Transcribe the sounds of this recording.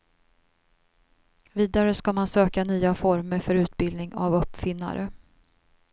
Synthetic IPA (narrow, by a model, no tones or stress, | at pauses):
viːd̪aɾəskamansøːkanyːafɔɾməɾfœɾʉ̟ːt̪̚bɪld̪nɪŋa̰vɵpːfɪnːa̰ɾə